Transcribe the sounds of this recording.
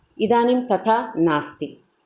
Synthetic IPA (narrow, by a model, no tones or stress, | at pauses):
id̪aːnimt̪ɐt̪ʰaːnaːst̪i